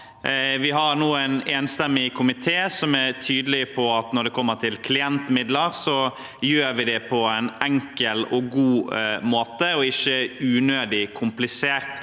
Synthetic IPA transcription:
ʋɪɦɑɾnuːæneːnst̪ɛmːɪkʰʊmɪt̪ʰeːsɔmæɾt̪ʰyːd̪əlɪpʰɔɑt̪nɔɾɖ̪ɛkʰɔmːət̪ʰɪlkʰlɪɛnt̪mɪd̪ləɾsɔ | jøːɾʋɪd̪ɛpʰɔæɪnɛŋkəlɔɡuːmoːt̪əɔɪçəʉːnøːd̪ɪkʰʊmplɪseːɾt̪

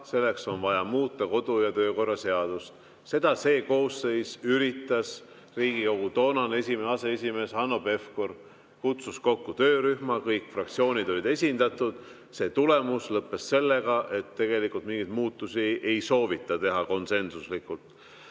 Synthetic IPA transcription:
se̞lːe̞kso̞nvɑjɑmuːt̪ːˑɑko̞d̪̥ujɑt̪ø̞ːko̞rːɑse̞ɑd̪̥ust̪ | se̞d̪̥ɑse̞ːko̞ːsːe̞jsyɾit̪ːˑɑs | riːɡ̥iko̞ɡ̥ut̪o̞ːnɑne̞sʲimenɑse̞esʲime̞ːsɑnːo̞be̞fkor | kut̪susko̞kːut̪øːɾyhmɑkɤjkːˑfrɑk̚t̪sio̞ːnʲid̪olid̪e̞sʲind̪̥ɑt̪ːud̪̥ | se̞ːt̪ule̞muslɤpːe̞sse̞lːe̞ɡ̥ɑʔe̞t̪ːe̞ɡ̥e̞likult̪miŋɡid̪muːt̪ˑːusiʔe̞jso̞ːvit̪ːˑɑt̪e̞ɦɑko̞nse̞nsuslikult̪ˑ

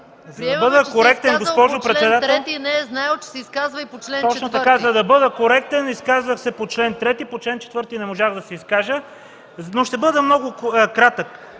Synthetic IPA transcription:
zzd̪ɐbɤd̪əkoɾɛkt̪ɛnɡosspɔʒopɾɛt̪sɛd̪at̪ɾɛt̪inɛznajɛt͡ʃɛ̥sɛiskazvɐipot͡ʃlɛnt̪ɔt͡ʃnot̪ɐkazɐd̪ɐbɤd̪əkoɾɛk̚t̪ɛniskazvəxsɛpot͡ʃlɛnt̪ɾɛt̪ipot͡ʃlɛnt͡ʃɛ̥t̪vɤɾt̪inɛmoʒaɣd̪ɐsɛiskaʒə | noʃt̪ɛbɤd̪əmnɔɡʊkɾat̪ək

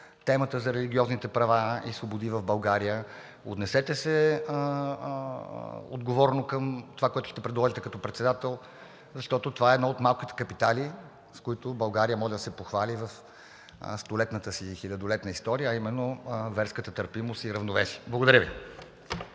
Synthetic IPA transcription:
t̪ɛmət̪əzɐɾɛliɡʲiɔznit̪ɛpɾɐvaisvobod̪ivəvbɐlˠɡaɾijə | ot̪nɛsɛt̪ɛsɛ | o̰d̪ɡovɔɾɛnokəmt̪ovakoɛt̪ʊ̥ʃt̪ɛpɾɛd̪lˠɔʒit̪ɛkɐt̪ɔpɾɛt̪sɛd̪at̪ɛlˠ | zɐʃt̪ɔt̪ot̪ovaɛːd̪nɔot̪malˠkit̪ɛ̥kɐpit̪alʲi | skoit̪ʊbɐlˠɡaɾijəmɔʒɛd̪ɐsɛpoxvalʲivəf | st̪olɛt̪nət̪əsixilʲɐd̪olɛt̪nəist̪ɔɾijəːimɛnːovɛɾskət̪ət̪əɾpimost̪iɾɐvnovɛsiəblˠəɡod̪ɐɾəvi

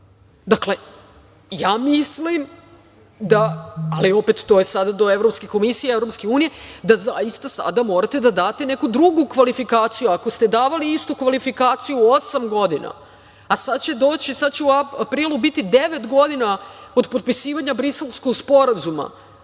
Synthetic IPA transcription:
d̪akle̞ | jaːmislim | d̪aalio̞pet̪ːo̞ːjesad̪ad̪o̞e̞vɾopskeko̞misijeevɾo̞pske̞uːnije̞d̪azajist̪asa̰d̪amo̞ɾat̪e̞d̪ad̪aːt̪ene̞kud̪ɾuɡukʋalifikaːt̪sijuako̞st̪e̞d̪aːʋaliist̪ukʋalifikaːt̪sijuo̞samɡo̞d̪ina̰ | asad̪t͡ɕe̞d̪o̞ːt͡ɕisad̪t͡ɕeuaapɾiːlˠubit̪id̪e̞ʋe̞t̪ɡo̞d̪inao̞d̪po̞t̪̚pisiːʋaɲabɾise̞lˠskoɡspo̞ɾazuma̰

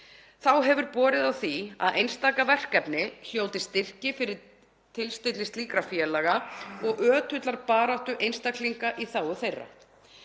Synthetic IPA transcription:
θawɦɛvʏɾpɔːɾɪðawθia̰ðʔejnst̪aːkavɛr̥kɛpnɪçjow̪t̪ɪst̪ɪr̥cɪfɪɾɪɾ | t̪ʰɪlst̪et̪lɪst̪liːkɾafjɛlaːɣaɔɣʔœːt̪ʰʏt̪laɾpaːɾawht̪ʏʔejnst̪akliŋkaʔiθaːwʏθejrːa̰

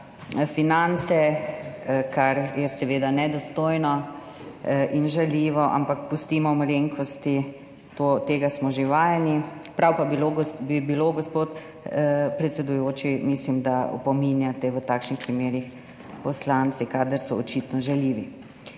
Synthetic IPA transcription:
finant̪sɛ | kaɾjɛsɛʋeːd̪anɛd̪ɔst̪ojnɔ | ʔinʒaliʋɔʔa̰mpakpust̪imɔmɔɾeŋkʰɔst̪i | t̪ot̪eːɡasmɔʒeʋaːjɛnipɾawpabiloɡbibiloɡɔspoːt̪ | pɾɛt̪sɛd̪ujoːt͡ʃimislimd̪aɔ̰pɔminjat̪ɛʋət̪aːkʃnixpɾimeːɾix | pɔslant̪sikaːd̪əɾsɔɔt͡ʃit̪nɔʒaliːʋi

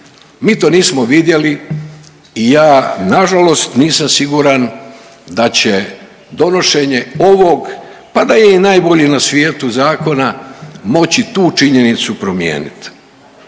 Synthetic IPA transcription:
miːt̪o̞ːniːsmoʋid̪je̞li | ijaːnaʒalo̞st̪niːsamsiɡuɾan | d̪at͡ɕe | d̪o̞no̞ʃe̞ɲe̞o̞ʋo̞ɡ | pad̪ajeinaːjbo̞ʎenasʋjeːt̪uzaːko̞namo̞t͡ɕit̪uːt͡ʃiɲe̞nit̪supɾo̞mjḛːnḭt̪

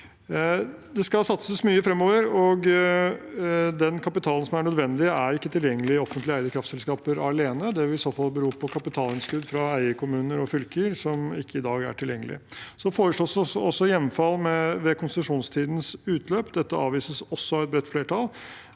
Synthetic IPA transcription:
d̪ɛskɑlsɑt̪səsmyːəfɾɛmːoːʋəɾɔɡ | d̪ɛnkʰɑpɪt̪ʰɑːlən̩sɔmæɳœd̪ʋɛnd̪ɪæɾɪkːət̪ʰɪljɛŋːəlɪɔfənt̪lɪæɪd̪əkʰɾɑft̪sɛlskɑːpəɾɑleːnəd̪ɛʋɪɪsoːfɑlbəɾuːɾpʰɔkʰɑpɪt̪ʰɑːlɪnskʉd̪fɾɑæɪəkʰʊmʉːnəɾɔfʏlkəɾsɔmɪkːəɪd̪ɑːɡæ̰ʈʰɪljɛŋːəlɪ̰sɔfoːɾəʂɭoːsɔsɔsːɔjɛmfɑlːmɛʋɛkʰʊnst̪ɪt̪ʉʂuːnst̪ʰiːd̪n̩sʉːt̪ʰløːpd̪ɛt̪ːəɑːʋiːsəsɔsːɔɑʋɛt̪̚bɾɛt̪ːfleːʈʰɑlˠ

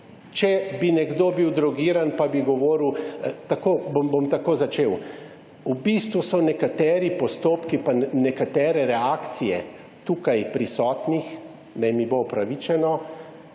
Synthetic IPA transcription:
t͡ʃɛbinɛɡd̪obiwd̪ɾɔɡiɾanpabiɡɔʋoːɾiwt̪akoːbobomt̪akoːzat͡ʃeːw | ubist̪ʋusɔnɛkat̪ɛːɾipɔst̪oːpkipanɛkat̪ɛːɾɛɾɛaːkt̪sijɛ̰ | t̪uːkajpɾisɔːt̪nix | nɛjmibopɾaʋit͡ʃɛnɔ

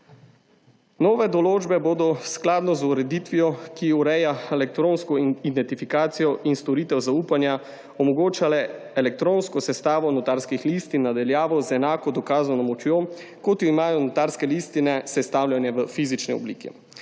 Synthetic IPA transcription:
nɔːʋɛd̪ɔloːd͡ʒbɛboːd̪ɔsklaːd̪nɔzuɾɛd̪it̪ʋijɔkiuɾɛjaelɛk̚t̪ɾoːnskɔid̪ɛnt̪ifikaːt̪sijɔʔinst̪ɔɾit̪ɛwzauːpanja | ɔmɔɡoːt͡ʃalɛ | ɛlɛk̚t̪ɾoːnskɔsɛst̪aːʋɔnɔt̪aɾskixlist̪inad̪aljaːʋɔzɛnaːkɔd̪ɔkaːzɔnamɔt͡ʃjoː | kɔt̪jɔimaːjɔnɔt̪aɾskɛlist̪inɛsɛst̪awlʲjanjɛʋəfiːzit͡ʃniɔ̰blḭkɛ̰

